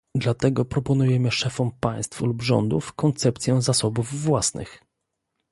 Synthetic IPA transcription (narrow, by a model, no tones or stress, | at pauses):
d̪lat̪ɛɡɔpɾɔpɔnujɛmɘʂɛfɔmpaj̃st̪flubʐɔ̰nd̪ṵfkɔnt̪sɛpt̪sʲjɛzasɔbuvːwasnɘ̰x